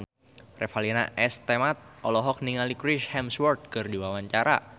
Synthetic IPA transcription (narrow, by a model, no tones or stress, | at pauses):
rɛfalina̰ʔɛst̪emat̪̚ʔɔlɔɦɔk̚niŋalikɾiʃhɛmswɔrt̪̚kɨrdiwawaɲt͡ʃaɾa̰